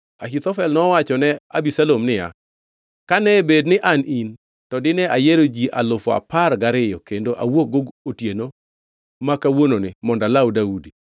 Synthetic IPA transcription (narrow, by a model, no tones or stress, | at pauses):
ahit̪ɔfɛlnɔwat͡ʃɔnɛabisalomnɪja̰ | kanɛbednɪʔanin | tɔdɪnɛajeɾod͡ʒiʔa̰lʊfɔa̰parɡaɾɪjɔkendoʔa̰wok̚ɡoɡotjeno | makawononɪmɔndalawdaudi